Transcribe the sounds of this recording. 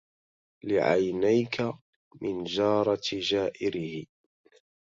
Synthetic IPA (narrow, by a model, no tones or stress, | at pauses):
lɪʕa̰jnajkʰa | mɪnd͡ʒɑːɾˤɑd͡ʒaːʔɪɾɪhɪ